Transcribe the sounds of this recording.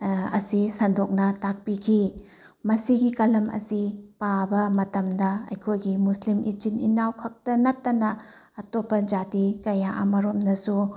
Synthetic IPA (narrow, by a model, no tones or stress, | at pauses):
ɐ̰sisɐndok̚nɐtak̚pikʰi | mɐsiɡikɐlɐmɐ̰sipabɐmɐtɐmdɐɐ̰jkʰojɡimuslimʔit͡ʃinḭnawkʰɐk̚tɐnɐtːɐnɐː | topːɐd͡ʒatikɐjaʔɐmɐɾomnɐsu